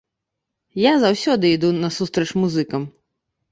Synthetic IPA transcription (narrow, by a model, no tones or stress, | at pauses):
jazawsʲɔd̪ɨid̪unɐsust̪ɾɐt͡ʂmuzɨkɐm